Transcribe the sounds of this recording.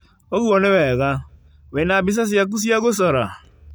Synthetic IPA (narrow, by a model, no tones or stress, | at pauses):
oɣuoneweɣa | wenabis̬as̬ijak̬us̬iaɡos̬ɔɾa